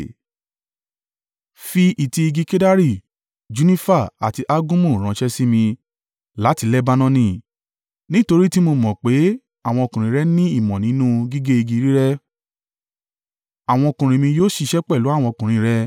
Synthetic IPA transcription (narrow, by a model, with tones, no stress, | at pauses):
fi˧ʔi˨ti˧i˧ɡi˧ke˦da˦ɾi˦˨ | d͡ʒu˦nĩ˦fa˦˨a̰˨ti˧ʔa˦ɡũ˦mũ˦˨ɾ̃ã˨ʃɛ˦si˦mĩ˧ | la˨˦ti˧lɛ˦ba˧nɔ̃˦nĩ˦˨ | nĩ˦to˧ɾi˦ti˦mo˧mɔ̃˨k͡pe˨˦ | a˦˨w̃ɔ̃˧o˧kũ˨ɾ̃ĩ˨˦ɾɛ˦nĩ˦i˦˨mɔ̃˨nĩ˨˦nũ˦ɡi˦ɡe˦i˧ɡi˧˦ɾi˦ɾɛ˦ | a˨w̃ɔ̃˧o˧kũ˨ɾ̃ĩ˨mĩ˧joː˦ʃi˧ʃɛ˦k͡pɛ˦˨lu˨˦a˦˨w̃ɔ̃˧kũ˨ɾ̃ĩ˨˧ɾɛ˦